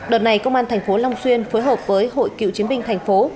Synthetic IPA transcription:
ɗəː˨˩n̚a˨˩jkə˧wŋ͡mʔaː˧nt̪ʰɛ˨˩ŋ̟fo˨˦la˧wŋ͡mswi˧ənfoː˨˦jɦəː˨˩p̚vəː˨˦jɦo̰˧˨jkḭ˧˨wt͡ɕi˨˦ənɓï˧ŋ̟t̪ʰa˨˩ŋ̟fo˨˦

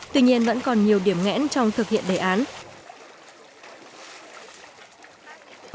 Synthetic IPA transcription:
t̪wi˧ɲi˧ənvə̰˧˥nkɔ˨˩nɲi˨˩əwɗi˧˩əmŋɛ̰˧˥nt͡ɕɔ˧wŋ͡mt̪ʰɨ˨˩k̚hḭ˧˨ənɗe˧˩ʔaː˨˦n

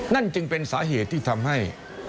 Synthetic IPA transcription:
na˥˩nt͡ɕɯ˧ŋpe˧nsaː˨˩˦ɦeː˨˩t̪̚ːʰiː˧˩t̪ʰa˧mɦa˥˩j

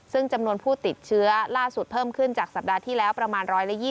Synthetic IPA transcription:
sɯ˥˩ŋt͡ɕa˧mnu˧ənpʰuː˥˩t̪i˨˩t̪̚t͡ɕʰɯ˦˥ɐlaː˥˩su˨˩t̪̚pʰɤː˥˩mkʰɯ˥˩nt͡ɕaː˨˩k̚sa˨˩p̚daː˧t̪ʰiː˥˩lɛː˦˥wpɾa˧maː˧nɾɔː˦˥jla˦˥jiː˥˩

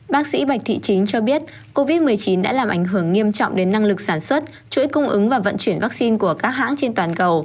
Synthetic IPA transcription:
ɓaː˦˥k̚sḭ˧˥ɓa˨˩k̟̚t̪ʰḭ˧˨t͡ɕi˨˦ŋ̟t͡ɕɔ˧ɓi˦˥ət̚ | ko˧vi˦˥t̚mɨ˨˩əjt͡ɕi˨˦nɗa̰ː˧˥laː˨˩mʔa˧˩jŋ̟ɦɨ˧˩əŋːi˧əmt͡ɕɔ̰˧˨wŋ͡mɗe˨˦nːa˧ŋlɨ˨˩k̚saː˧˩nswə˦˥t̚ | t͡ɕṵ˧˥˦jkʊ˧ŋ͡mʔɨ˨˦ŋvaː˨˩və̰˧˨nt͡ɕwi˧˩ənvaː˦˥k̚si˧nku˧˩əkaː˦˥k̚ɦa̰ː˧˥ŋt͡ɕe˧nt̪waː˨˩nkə˨˩w

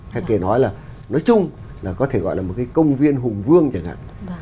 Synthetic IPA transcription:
ha˧ke˨˩nɔ˨˦jlaː˨˩nɔ˨˦jt͡ɕʊ˧ŋ͡m | laː˨˩kɔ˨˦t̪ʰe˧˩ɣɔ̰˧˨jlaː˨˩mo˨˩t̚kaː˨˦jkə˧wŋ͡mvi˧ənɦʊ˨˩ŋ͡mvɨ˧əŋt͡ɕa˨˩ŋha̰ː˧˨ʔ

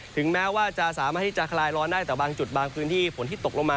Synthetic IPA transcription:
t̪ʰɯ˩˦ŋmɛː˦˥waː˥˩t͡ɕa˨˩s̬aː˩˦maː˥˩t̪̚ʰːi˥˩t͡ɕa˨˩kʰlaː˧jlɔː˧ndaː˥˩jt̪ɛː˨˩baː˧ŋt͡ɕu˨˩t̪̚baː˧ŋpʰɯː˦˥nt̪ʰiː˥˩pʰo˩˦nt̪ʰiː˥˩t̪o˨˩k̚lo˧maː˧

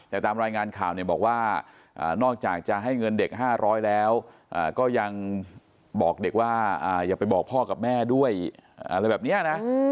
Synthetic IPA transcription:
t̪ɛː˨˩t̪aː˧mɾaː˧jŋaː˧nkʰaː˨˩wni˧˩bɔː˨˩k̚waː˥˩ | ʔa̰ː˨˩nɔː˥˩k̚t͡ɕaː˨˩k̚t͡ɕa˨˩ɦa˥˩jŋɤ˧nde˨˩k̚ɦaː˥˩ɾʔɔː˦˥jlɛː˦˥wʔaː˨˩kɔː˥˩ja˧ŋ | bɔː˨˩k̚de˨˩k̚waː˥˩ʔaː˨˩jaː˨˩pa˧jbɔː˨˩k̚pʰɔː˥˩ka˨˩p̚mɛː˥˩du˥˩əjʔa̰˧ɾa˧jbɛː˨˩ni˦˥ɐna˦˥

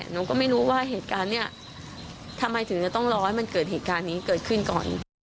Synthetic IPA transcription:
noː˧kɔː˥˩ma˥˩jɾuː˦˥waː˥˩ɦeː˨˩t̪̚kaː˧nːi˥˩ɐ | t̪ʰa˧mːa˧jt̪ʰɯ˨˩˦ŋt͡ɕa˨˩t̪ɔ˥˩ŋɾɔː˦˥jma˧nkɤː˨˩heː˨˩t̪̚kaː˧nːiː˦˥kɤː˨˩t̪̚kʰɯ˥˩nkɔ̰ː˨˩n

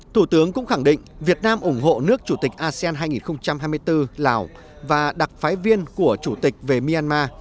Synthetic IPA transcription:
t̪ʰu˧˩t̪ɨ˨˦əŋkʊ̰˧˥ŋ͡mxa˧˩ŋɗḭ̈˧˨ŋ̟vi˨˩ət̚naː˧mʔʊ˧˩ŋ͡mɦo̰˧˨nɨ˦˥ək̚t͡ɕu˧˩t̪ï˨˩k̟̚ʔaː˧si˧aː˧nɦaː˧jŋi˨˩nxə˧wŋ͡mt͡ɕa˧mɦaː˧jmɨ˧əjt̪ɨ˧laː˨˩w | vaː˨˩ɗa˨˩k̚faː˨˦jvi˧ənku˧˩ət͡ɕu˧˩t̪i˨˩k̟̚ve˨˩mi˧aː˧nmaː˧

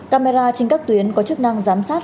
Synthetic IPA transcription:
kaː˧me˧zaː˧t͡ɕe˧ŋ̟kaː˦˥k̚t̪wi˨˦ənkɔ˨˦t͡ɕɨ˦˥k̚na˧ŋzaː˨˦msaː˦˥t̚

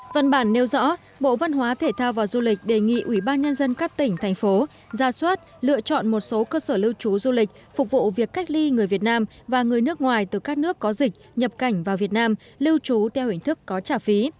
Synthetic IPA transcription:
və̰˧˨nɓaː˧˩nːe˨˦wzɔ̰˧˥ | ɓo̰˧˨va˧nɦwaː˨˦t̪ʰe˧˩t̪ʰaː˧wvaː˨˩wzu˧lï˨˩k̟̚ɗe˨˩ŋḭ˧˨ʔwi˧˩ɓaː˧nɲə˧nzə˧nkaː˦˥k̚t̪ï˧˩ŋ̟t̪ʰa˨˩jŋ̟fo˨˦ | zaː˨˧˩swaː˦˥t̚lɨ̰˧˨ət͡ɕɔ̰˧˨nmo˨˩t̚so˨˦kəː˧səː˧˩lɨ˧wt͡ɕu˨˦zu˧lï˨˩k̟̚ | fʊ˨˩k͡p̚vṵ˧˨vi˨˩əkːa˦˥jk̟̚li˧ŋɨ˨˩əjvi˨˩ət̚naː˧m | vaː˨˩ŋɨ˨˩əjnɨ˦˥ək̚ŋwaː˨˩jt̪ɨ˨˩kaː˦˥k̚nɨ˦˥əkːɔ˨˦zï˨˩k̚ɲə˨˩p̚ka˧˩jŋ̟vaː˨˩wvi˨˩ət̚naː˧m | lɨ˧wt͡ɕu˨˦t̪ʰɛ˧whï˧˩ŋ̟t̪ʰɨ˦˥kːɔ˨˦t͡ɕaː˧˩fi˨˦

